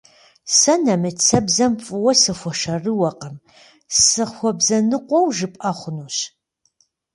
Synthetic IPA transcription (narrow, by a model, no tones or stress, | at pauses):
sɐnɐmɨt͡sʰɐbzɐmfʼɨwɐsɨxʷɔʃɐrɨwɐqɐm | sɨxʷɔbzɐnɨqʷʼɔwʒɨpʼɐχʷʊnuːɕ